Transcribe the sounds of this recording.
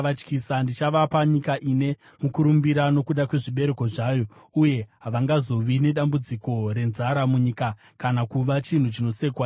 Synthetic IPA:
at͡ʃkisandit͡ʃaʋapaɲikaʔine̞ | mukuɾumbiɾano̞kuɗakwe̞ʐiɓe̞ɾe̞ko̞ʐaːjo̞uje̞ɦaʋaŋɡazo̞ʋine̞ɗambud͡ziko̞ɾe̞nzaɾamuɲika | kanakuʋat͡ʃin̤ut͡ʃino̞se̞kwaː

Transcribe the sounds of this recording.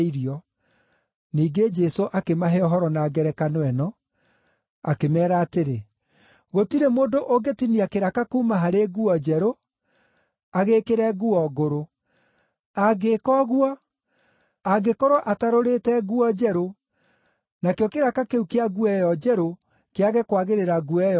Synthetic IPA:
iɾiɔ | niːɡed͡ʒɛsoʔakemaɦɛɔɦɔɾɔnaːɡɛɾɛkanwɛnɔ | akemɛːɾaːteɾe | ɣotiɾemoːndoʔoɡetiniakeɾakakuːmaɦaɾeɣuɔd͡ʒɛɾo | aɣeːkeɾɛɣuɔɣoɾo | aɡekɔɣwɔ | aɡekoɾoʔataɾoɾetɛɣuɔd͡ʒɛɾo | nakjɔkeɾakakeukeaɣuɛjɔd͡ʒɛɾo | keaɣɛkwaɣeɾeɾaɣuɛj

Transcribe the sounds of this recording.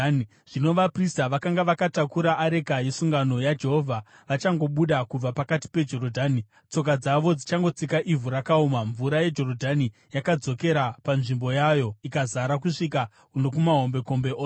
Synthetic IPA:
ʐ̥ino̞ʋapristaʋakaŋɡaʋakatakuɾaʔːɾe̞kaje̞suŋɡano̞jad͡ʒe̞ɦo̞vʱa | ʋat͡ʃaŋɡo̞ɓuɗakub͡vapakati̥pe̞d͡ʒo̞ɾodʱani | t͡so̞k̬ad͡zaʋo̞d͡zit͡ʃaŋɡo̞t͡sikaʔivuɾakaumaɱvuɾaje̞d͡ʒo̞rodʱani | jakad͡zo̞ke̞ɾapanʐimbo̞jajo̞ikazaɾak̬uʂika | unokumaɦo̞mbe̞ko̞mbe̞oːs

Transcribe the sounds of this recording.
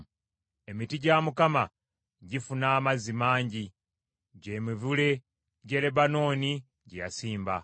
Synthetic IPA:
e̞mitiɟamukama | ɟifunaːmazimaːɲɟi | ɟe̞ːmivule̞ | ɟe̞le̞bano̞ːni | ɟeja̰siːmba̰

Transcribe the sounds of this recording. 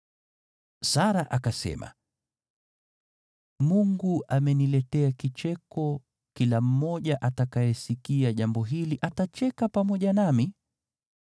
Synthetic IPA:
saɾaʔakasɛ̰ma̰ | muŋɡuʔamɛnilɛtɛakit͡ʃɛkɔ | kilam̩mɔʄaʔatakajɛsikiaʄambɔɦiliʔatat͡ʃɛkapamɔʄanami

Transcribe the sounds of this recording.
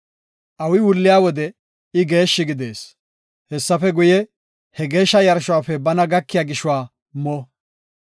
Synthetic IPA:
ʔɐwɪwʊlːɪjaːwɔd̪ɛ | ɪɡe̞ːʃːɪɡɪd̪e̞ːs | hɛsːɐfɛɡʊjɛ | hɛɡe̞ːʃːɐjɐɾʃʊwaːfɛbɐnɐɡɐkːɪjaːɡɪʃʊwaː | mɔ

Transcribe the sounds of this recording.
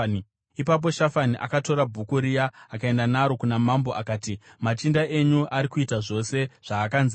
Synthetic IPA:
ipap̬o̞ʃafaniʔa̰kato̞ɾabʱukuɾijaːkae̞ndanaɾo̞kunamambo̞ʔakaːtimat͡ʃindaeɲuʔaɾikuitaʐo̞se̞ʐ̥aːkanz

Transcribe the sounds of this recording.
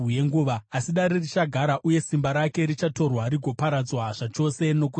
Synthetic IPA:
jeŋɡuʋaːsiɗaɾirit͡ʃaɡʱaɾaʔuje̞simbaɾake̞ɾit͡ʃato̞rwariɡʱo̞paɾad͡zwaʐ̥at͡ʃo̞se̞no̞k̬u

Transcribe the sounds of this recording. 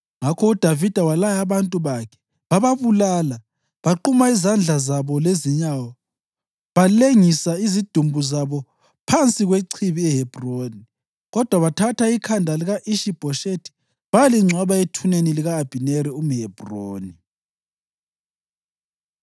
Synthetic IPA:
ŋakʰɔud̥ʱavid̥ʱawalajaβantʼuβakʰɛ̥ | βaβaβulala | βaǃumaizand͡ɮʱazaβɔleziɲawa | βaleŋisaizid̥ʱumbʱuzaβɔ | pʰant͡sʼiɣweǀʰiβiɛɦɛb̥ʱroːni | ɣɔd̥ʱwaβatʰatʰaikʰandʱaliɣaʔiʃib̥ʱɔʃetʰi̥ | βaaliŋ͡ǀʱwaβaetʰuneniliɣaːb̥ʱineɾium̩ɦɛb̥ʱroːni

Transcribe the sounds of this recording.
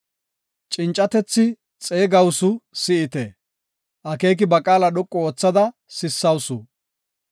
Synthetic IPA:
t͡ʃʼɪnt͡ʃʼːɐt̪ɛt͡sːɪ | t͡sʼeːɡɐwsʊsɪɪt̪ɛ | ʔɐkeːk̬ɪbɐkʼaːlɐɗɔkʼːɔoːt͡sːɐd̪ɐsɪsːɐwsʊ̰

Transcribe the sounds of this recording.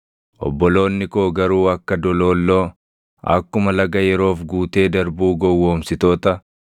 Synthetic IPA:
ʔɔ̰bːɔlo̞ːnːɪkoːɡɐɾuːɐkːɐd̪ɔlo̞ːlːoː | ɐ̰kːʊmɐlɐɡɐjɛɾo̞ːfɡuːt̪e̞ːd̪ɐɾbuːɡɔwːo̞ːmsɪt̪o̞ːt̪ɐ

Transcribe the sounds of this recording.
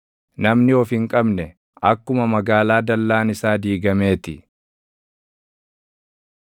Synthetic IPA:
nɐmnɪɔfɪŋkʼɐbnɛ | ɐkːʊmɐmɐɡaːlaːd̪ɐlːaːnɪsaːd̪iːɡɐme̞ːt̪ɪ

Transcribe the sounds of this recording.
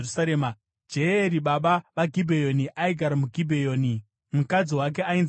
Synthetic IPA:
saɾeːma | d͡ʒeeɾiɓaɓaʋaɡʱibʱejo̞niʔaiɡʱaɾamuɡʱibʱejo̞ːni | mukad͡ziwak̬e̞ain

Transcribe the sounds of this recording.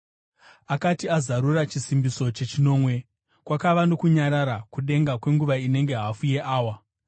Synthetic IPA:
akatiazaɾurat͡ʃisimbiso̞t͡ʃe̞t͡ʃino̞ːmwe̞ | kwakaʋano̞kuɲaɾaɾakuɗe̞ŋɡakwe̞ŋɡuʋaine̞ŋɡe̞ɦafuje̞ʔaːwa

